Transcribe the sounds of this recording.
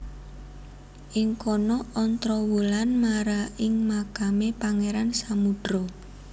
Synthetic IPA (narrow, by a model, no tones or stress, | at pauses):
ʔɪŋkɔnɔʔɔnt̪ɾɔwulanmaɾaɪŋmakamepaŋeɾansamuɖ̥ɾɔ